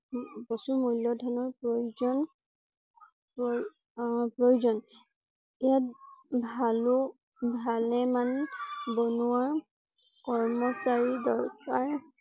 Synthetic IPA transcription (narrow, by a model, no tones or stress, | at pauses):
bɔsumujljɔdʱanɔɹpɹojuzɔn | p | pɹojuzɔn | ijat̚bʱalʊ | bʱalɛmanbɔnuwa | kɔɹmɔsaɹidɔɹkaɹ